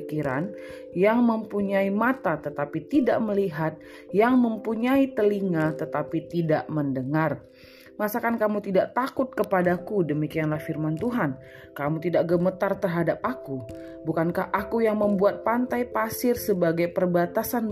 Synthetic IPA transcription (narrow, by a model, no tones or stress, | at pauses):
kiɾa̰n | jaŋməmpuɲaimat̪at̪ət̪apit̪idaʔməliɦat̪̚ | jaŋməmpuɲait̪əliŋat̪ət̪apit̪idaʔməndəŋar | məasakankamut̪idaʔt̪akʊt̪̚kəpadakudəmikianlahfirmant̪uɦan | kamut̪idaʔɡəmət̪art̪ərɦadap̚aku | bukankahʔakujaŋməmbuat̪̚pant̪ajpasɪrsəbaɡajpərbat̪asan